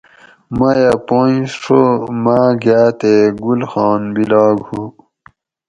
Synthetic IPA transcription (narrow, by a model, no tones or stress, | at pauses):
majapojsʂʰomaːɡaːt̪eɡulxɑːnbilɑːɡhu